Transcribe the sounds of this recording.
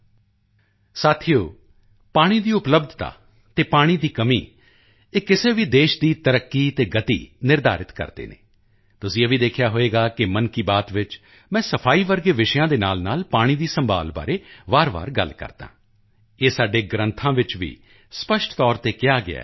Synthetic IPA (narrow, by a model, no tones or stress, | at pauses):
saːt̪ʰijoː | paːɽ̃iːd̪iːʊpləbd̪ʱt̪a̰ː | t̪eːpaːɽ̃iːd̪iːkəmḭː | eːkɪseːʋiːd̪eːʃd̪iːt̪əɾəkːiːt̪eːɡət̪ḭːnɪɾd̪a̰ːɾɪt̪kə̰ɾd̪ḛːnḛː | t̪ʊsĩeːʋiːd̪eːkʰjaːɦoːeːɡaːkɪmənkiːbaːt̪ʋɪt͡ʃ | mɛ̃ːsəpʰaːiːʋəɾɡeːʋɪʃjãːd̪eːnaːlnaːlpaːɽ̃iːd̪iːsəmba̰ːlba̰ːɾeːʋaːɾʋa̰ːɾɡə̰lkə̰ɾd̪̥ã̰ː | eːsaːɖeːɡɾə̃nt̪ʰãːʋɪt͡ʃʋḭː | spəʃʈʰt̪ɔːɾt̪eːkɪjaːɡɪ̰a̰ː